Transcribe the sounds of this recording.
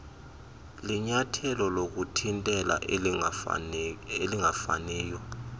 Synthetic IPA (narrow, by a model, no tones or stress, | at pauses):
liɲatʰɛlɔlok̬utʰintʼɛla̰ʔ | eliŋafa̰nɛːjɔ